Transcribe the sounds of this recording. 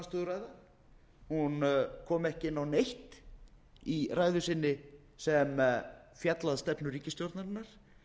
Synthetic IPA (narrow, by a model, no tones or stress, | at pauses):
st̪ʏðraːjða | hunkʰɔːmɛhcɪɪnawnejht̪ | iraːjðʏsɪnːɪ | sɛmfjat̪laðst̪ɛpnʏɾriːcɪst̪jowɾt̪naɾɪnːaɾ̥